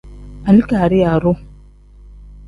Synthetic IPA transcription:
a˨ni˦ka˨ɾi˦a˨ɾʊ˦

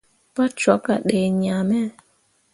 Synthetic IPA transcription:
pa˦t͡ʃɔ˨˦ka˨ɗe˨ɲa˨mɛ˦˨

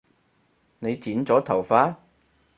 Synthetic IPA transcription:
ne˨˧jt͡siː˨˥nt͡sɔː˨˥t̪ʰɐ˨˩wfaː˧˥

